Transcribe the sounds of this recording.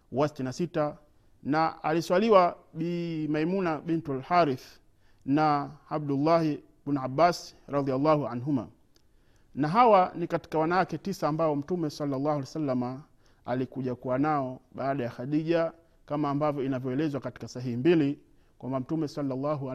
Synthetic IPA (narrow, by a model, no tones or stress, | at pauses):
wasi̥tinasita | naaliswaliwaɓimaimunaɓɛntualhaɾiθ | naabdulːah | ɓinabasɾɑðialːahuanɦuma̰ | naɦawanikati̥kawanawakɛtisaːmbaɔm̩tumɛsɑlːalːahualsalːama | alikuʄakuwanaɔɓaːɗajaxaɗiʄa | kamaːmbavjɔinavjɔɛlɛzwakati̥kasaɦihimbili | kwambam̩tumɛsɑlːalːaɦu